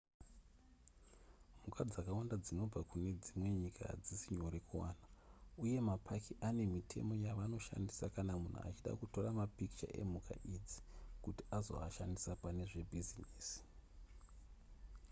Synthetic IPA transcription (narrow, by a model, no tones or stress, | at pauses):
mukad͡zakawandad͡zino̞b͡vakune̞d͡zimwe̞ɲikʰa̰d͡zisiɲo̞ɾe̞kuwaːnauje̞mapʰakiʔane̞mitʰe̞̰mo̞jaʋano̞ʃa̰ndisakanamun̤ṵa̰t͡ʃiɗa̰kuto̞ramapiki̥t͡ʃa̰ʔe̞̰muka̰ʔid͡zi̥kutiazo̰aʃandisapane̞ʐe̞bʱiziniːsi̥